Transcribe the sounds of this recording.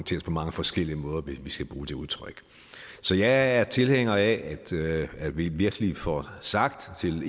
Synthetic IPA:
nt͡sʰe̝̰ɐspʰɒ̽mɑ̈ŋəfɒ̽sɡ̥el̰iəmɔ̽ːð̞ˠɐʋe̝sʋisɡ̥æb̥ʁuːd̥e̝uðˠt͡sʰʁœɡ̥ | sɒ̽jɑ̈ɪæɐt͡sʰe̝lheŋ̰ɐæʔæd̥æ̥ʋiʋiɐɡ̥əlifɒsɑ̈ɡ̥̚d̥t͡sʰe̝l

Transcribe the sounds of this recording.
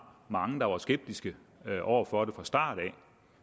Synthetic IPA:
mɑ̈ŋəd̥ɑ̈ʋɑ̈sɡ̥eb̥̚d̥isɡ̥ə | ʔɒ̰ːfɒɾ̥e̝fʁɑ̈sd̥ɑ̰̈ːd̥̩ˠɛ

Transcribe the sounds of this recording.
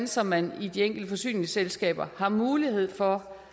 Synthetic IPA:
nsɒmænid̥ieŋ̰ɡ̥l̩d̥əfɒ̽sy̰ːne̝ŋselsɡ̥ɛ̰ːb̥ɐhɑ̈muːlihe̝ð̞̰ˠfɒ̽

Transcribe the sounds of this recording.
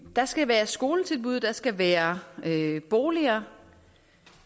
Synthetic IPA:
d̥ɑ̈sɡ̥æʋæːɐsɡ̥o̝ːlət͡sʰe̝lb̥uð̞̰ˠd̥ɑ̈sɡ̥æʋæːɐøb̥o̝ːliɐː

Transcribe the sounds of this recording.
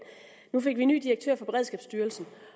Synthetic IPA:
nufe̝ɡ̥ʋiny̰ːd̥iɐɡ̥̚t͡sʰø̰ɐ̰fɒb̥e̝ʁɛð̞ˠsɡ̥ɛːb̥sd̥yːɐlsn̩

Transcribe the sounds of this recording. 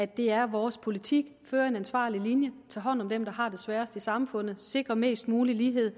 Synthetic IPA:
æd̥e̝æɐʋɒːspʰo̝lit͡sʰiɡ̥føːɐe̝nænsʋɑ̰̈ːlilinjət͡sʰɑ̰ːɦɒ̽n̰ɒ̽md̥emd̥ɑ̈ɦɑ̈d̥e̝sʋæːɐsd̥isɑ̈mfɔ̽n̰ð̞̩ˠse̝ɡ̥ʁɐme̝̰ːsd̥̚muːliliːɦe̝ð̰ˠ

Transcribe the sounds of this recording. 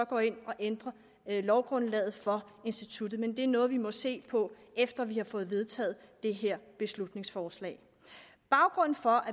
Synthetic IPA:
ɒ̽ɡ̥ɒ̰ːe̝n̰ɒ̽ʔend̥ʁɐ | lɒʊɡ̥ʁɔ̽nlɛːð̩ˠfɒ̽ | e̝nsd̥it͡sʰud̥ð̩ˠmend̥eæɐnɔ̽ːð̞̩ˠʋimɒ̽se̝̰ːpʰɒ̽ | efd̥ɐʋihɑ̈fɔ̽ːð̩ˠʋe̝ð̞ˠt͡sʰɛ̰ːð̩ˠd̥e̝ɦeɐ̰b̥e̝slud̥ne̝ŋsfɒːslɛ̰ːɪ | b̥ɑ̈ʊɡ̥ʁɔ̽n̰n̩fɒ̽ʔæ

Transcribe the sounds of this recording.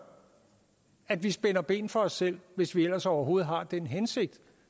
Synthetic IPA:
æd̥ʋisb̥enɐb̥e̝̰ːn̩fɒ̽ɒ̽sːel̰ʋe̝sʋiel̰ɐsɒʊɐɦo̝ːð̞̩ˠɦɑ̈d̥enɦense̝ɡ̥̚d̥

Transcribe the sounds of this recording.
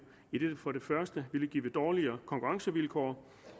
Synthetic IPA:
id̥e̝̥fɒ̽ɾe̝fɶɐsd̥əʋiləɡ̥ḭːʋəd̥ɒːliɐːkʰɒ̽ŋkʰuʁɑ̈ŋsəʋilkʰɒ̰ː

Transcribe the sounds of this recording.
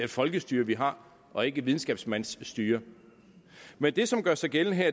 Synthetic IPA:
æfɒ̽lɡ̥əsd̥yːɐʋiɦɑ̈ | ʔɒ̽e̝ɡ̥əʋið̞ˠn̩sɡ̥ɛ̰ːb̥smæn̰sːd̥yːɐ | mend̥e̝sɒ̽mɡ̥ɶɐsɑ̈ɪɡ̥elən̩ɦeɐ

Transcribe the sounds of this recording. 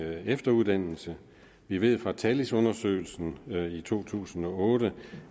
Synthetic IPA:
efd̥ɐuðˠd̥æn̰l̩sə | ʋiʋe̝ð̞̰ˠfʁɑ̈t͡sʰælisɔ̽nɐsø̰ːɪl̩sn̩it͡sʰo̝̰ːt͡sʰṵːsn̩ɒ̽ɔ̽ːɾə

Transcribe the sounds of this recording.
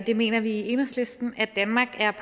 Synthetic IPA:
d̥e̝me̝̰ːnɐʋiiːe̝nəsle̝sd̥n̩æd̥ænmɑ̈ːɡ̥æɐpʰ

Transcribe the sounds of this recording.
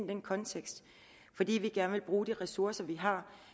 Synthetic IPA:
nd̥enkʰɒ̽nt͡sʰeɡ̥sd̥ | fɒ̽d̥ḭːʋiɡ̥æɐnəʋe̝lb̥ʁuːd̥iʁɛsuɐsɐʋiɦɑ̈

